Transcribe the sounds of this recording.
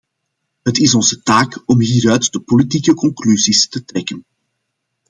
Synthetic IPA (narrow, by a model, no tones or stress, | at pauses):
ɦətɪsɔnzətaːkɔmɦiːɾœːtdəpolitiːkəkɔŋklyzistətrɛkən